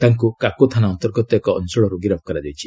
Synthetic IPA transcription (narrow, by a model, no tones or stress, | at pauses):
t̪aŋkukakot̪ʰanaɔnt̪ɔɾɡɔt̪ɔekɔɔ̰nsɔɭɔɾoɡiɾap̚ʰkɔɾad͡ʒawt͡ʃʰi̥